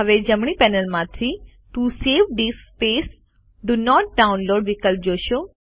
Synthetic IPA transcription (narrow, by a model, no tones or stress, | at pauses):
əʋed͡ʒəmɳ̃ipɛnəlmãt̪ʰi | t̪useːʋɖ̪ispeːs | ɖunɔːʈ̚ɖaʊ̃nloːɖʋɪkəlp̚d͡ʒoːʃo